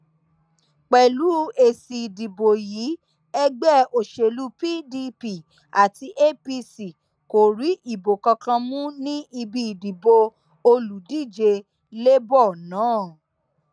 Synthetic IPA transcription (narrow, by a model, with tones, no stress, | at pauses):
k͡pɛ˨lu˨˦e˧si˨di˨bo˨ji˨˦ | ɛ˧ɡ͡bɛ˦˨o˨ʃe˧˨lu˦pi˦di˧pi˨ | a˨ti˧ʔe˦pi˧si˨ | ko˨ɾi˨˦ʔi˦˨bo˨kɔ˧kã˧mũ˦nĩ˦i˧bi˧˨di˨bo˧ | o˧lu˨di˦˨d͡ʒe˧ | le˦bɔ˦˨nãː˨˦˨